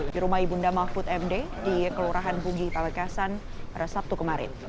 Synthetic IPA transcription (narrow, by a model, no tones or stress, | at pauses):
diɾumaibundamafʊt̪ɛmde | dikəluɾaɦanbuɡipaməkasanrəsap̚t̪ukəmaɾɪ̰n